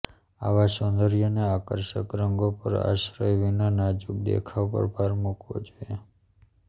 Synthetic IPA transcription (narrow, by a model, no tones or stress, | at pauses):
a̰ʋasõnd̪əɾijoneakəɾʃəkɾəŋɡopə̰ɾa̰ʃɾəjʋinanad͡ʒuk̚d̪ḛkʰapə̰ɾbʱaɾmukʋo̰d͡ʒoe